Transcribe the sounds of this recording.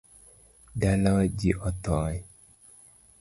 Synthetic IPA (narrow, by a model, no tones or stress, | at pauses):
dalawad͡ʒiʔɔt̪ɔ